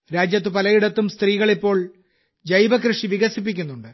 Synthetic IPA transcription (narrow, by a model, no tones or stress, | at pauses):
ɾaːd͡ʑjɐt̪ːɨpɐlɐjiɽɐt̪ːumst̪riːɣɐɭipːo̞ːɭ | d͡ʑɐjbɐkrɨʂiʋiɣɐsip̬ːikʲːunːuɳɖɨ